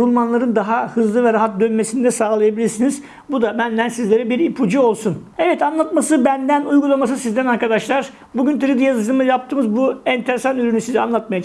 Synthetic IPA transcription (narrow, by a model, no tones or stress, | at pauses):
ulˠmanlˠaɾɯnd̪aɦahɯzlˠɯvɛɾaɦat̪̚d̪ønmesind̪ɛsaːlˠajabilʲiɾsiniz | bud̪abænlænsizlʲe̞ɾɛbiɾipʰud͡ʒiolˠsunevɛt̪anlˠat̪masɯbænd̪ænujɡulˠamas̬ɯsizd̪ænaɾkad̪aʃlˠaɾ̥ | buɟynt̪ʰɯɾid̪ijazɯd͡ʒɯmɯzjap̚t̪ʰɯːmɯzbuɛnt̪ʰe̞ɾesanyɾynysizɛanlˠat̪̚maja